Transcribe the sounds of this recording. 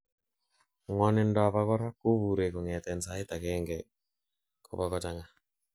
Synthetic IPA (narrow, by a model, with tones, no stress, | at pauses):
ŋwɔ˦nɪ˦ndɔa˨pa˦kɔ˦ɾa˦ku˦βu˨ɾe˨ko˨ŋɛ˨tɛ˨nsa˦ɪ˦ta˨kɛ˦ŋɡɛ | ko̰˨pa˦kɔ˦t͡ʃaŋa˦